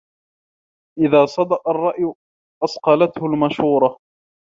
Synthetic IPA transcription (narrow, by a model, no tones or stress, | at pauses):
ʔɪðaːsˤɑd̪ɑʔɑrˤːɑʔj | ʔɑsqɑlat̪hʊlmaʃuːɾˤɑ